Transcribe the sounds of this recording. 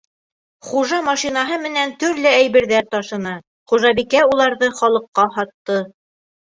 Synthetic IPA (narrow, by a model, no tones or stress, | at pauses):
χuʒɑmɑʃinɑɦɤmɘ̆nænt̪ɵ̆ɾlɘæjβɘ̆ɾðæɾt̪ɑʃɤ̆nɤ | χuʒɑbikæulˠɑɾðɤχɒlˠɤ̆qːɑhɑt̪ːɤ